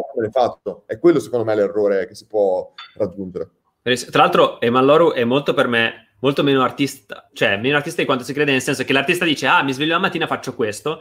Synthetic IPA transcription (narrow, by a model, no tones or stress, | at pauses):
menefat͡ʃːoɛkːwelːosekond̪omɛlerːoːɾek̟esipwɔrad͡ʒːund͡ʒeɾe | eɾist̪ɾalalt̪ɾoemalːɔːɾuʔɛmːolt̪operme | molt̪omeːnoart̪ist̪a̰t͡ʃoɛmːeːnoart̪ist̪ad̪ikwant̪osikɾeːd̪enelsɛnsokelart̪ist̪ad̪iːt͡ʃeamːizvelʎːoamːat̪ːiːnafat͡ʃːokwest̪o